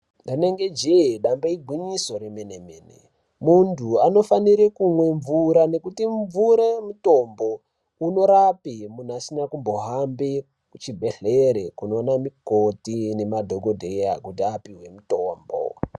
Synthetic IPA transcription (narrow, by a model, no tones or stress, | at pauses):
ndaneŋɡe̞d͡ʒeɦɗambaiɡʱwiɲiso̞ɾemenemeːnḛ | muntʰuano̞faniɾikumwe̞ɱvuɾane̞kutiɱvuɾemuto̞mbo̞ | uno̞ɾapimun̤uasinakumbo̞ɦambe | kut͡ʃibʱe̞ɬeɾekuno̞namikotine̞madʱoɡʱodʱejakut̬iapiɦwe̞mutoːmbo̰